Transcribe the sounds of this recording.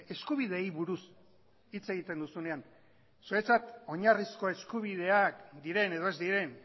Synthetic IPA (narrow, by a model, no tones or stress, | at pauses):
e̞skuβið̞e̞jβuɾus | it͡se̞ɣ̞it̪e̞nd̪usune̞an | suet͡sat̪o̞ɲarisko̞e̞skuβ̞ið̞e̞akd̪iɾe̞ne̞ð̞oe̞zd̪iɾe̞n